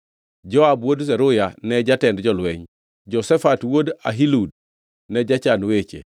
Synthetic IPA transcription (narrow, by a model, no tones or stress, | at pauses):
ɟoabwods̬eɾujaneɟatendɟɔlueɲ | ɟosefatwoda̰ɦilud̚ | neɟat͡ʃanwet͡ʃḛ